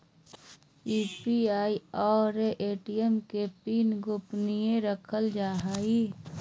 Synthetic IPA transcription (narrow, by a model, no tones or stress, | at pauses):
iːpiaːiɔːɾeʔeːʈiemkepiːnɡʊpnijẽɾəkʰəld͡ʒaːɦaːi